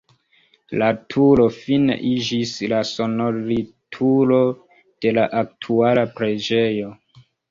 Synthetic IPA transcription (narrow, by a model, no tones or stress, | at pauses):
latʰulo̞finḛʔid͡ʒislaso̞noɾitʰulo̞ | d̥e̞laʔak̚tʰualapɾe̞d͡ʒejo̞